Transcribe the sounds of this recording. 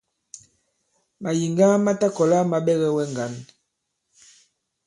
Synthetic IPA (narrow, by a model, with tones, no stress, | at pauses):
ma˨ji˨ŋɡa˦ma˦ta˦kɔ˨la˦ma˨ɓɛ˦ɣɛ˦wɛ˦ŋɡa˨˦n